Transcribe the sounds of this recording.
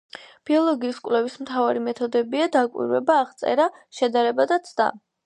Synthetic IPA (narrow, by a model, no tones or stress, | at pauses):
b̥iɔlˠɔɡiːskʼlɛvismt̪ʰavaɾimɛt̪ʰɔd̪ɛbiad̪akʼwḭɾvɛ̰baːʁt̪sʼɛ̰ɾaʃɛd̪aɾɛbad̪at̪sʰd̪a̰